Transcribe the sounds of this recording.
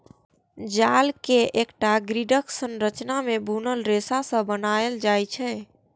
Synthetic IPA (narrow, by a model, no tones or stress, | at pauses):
d͡ʒalkeʔekʈaɡɾiɖəksənɾət͡ʃnamebʱunəlɾesasə̃bənaeld͡ʒajt͡ʃʰɛ̃